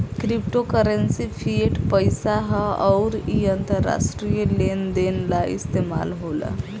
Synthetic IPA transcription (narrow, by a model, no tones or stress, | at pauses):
kɾipʈokəɾensipʰieʈpəjsaɦɔʊɾiənt̪əɾːa̰sʈɾijəlend̪enlaist̪ema̰lɦolə̰